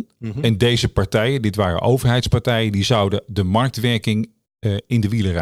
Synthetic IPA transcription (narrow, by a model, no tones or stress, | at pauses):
ɛndejzəpɑɹtɛjəndɪtʋaːrə̰ʔowvəɹɦɛjtspɑɹtɛjədizɑwdədəmɑɹk̚tʋɛɹkɪŋ | ɪndəʋilərɛ